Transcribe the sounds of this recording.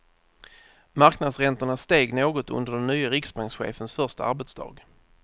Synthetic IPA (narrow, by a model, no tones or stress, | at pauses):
maɾknad̪sɾɛnt̪əɳast̪eːɡnoːɡɔt̪ɵ̰nd̪əɖɛnːyːaɾɪksbaŋksɧḛːfənsfœʁʂt̪a̰aɾbɛt̪sd̪ɑ̰ːɡ